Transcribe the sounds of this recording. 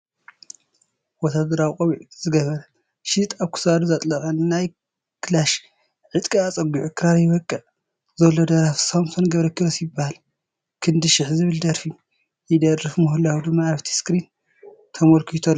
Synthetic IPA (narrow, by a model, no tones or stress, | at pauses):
wɔt̪ʰad̪ɐɾawkʼoβiʕz̥ɨɡɐβɐɾɐ | ʃit̪ʼaβkʰɨ̥sad̪uzat̪ʼlɐxʼɐnnaj | kʰɨlaʃ | ʕɨt̪ʼkʼiat͡sʼɐɡuʕukʰɨɾaɾjɪβɐkʼːɨʕ | zɐlːod̪ɐɾafsamsonɡɐβɾɐkʰɨɾɐsjɪbːahal | kʰɨnd̪ɨʃɪħzɨβɨld̪ɐɾfi | jɪd̪ɐrɨfmuhulːawud̪ɨmːaːβt̪ʰi̥skɾin | t̪ʰɐmolkʰit̪ʰolː